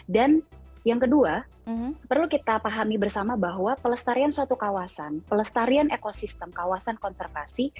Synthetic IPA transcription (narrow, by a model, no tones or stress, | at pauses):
danjaŋkədua | pərlukit̪apaɦamibərsamabaɦwapələst̪aɾiansuat̪ukawasanpələst̪aɾianʔekosist̪əmkawasankɔnsərfasi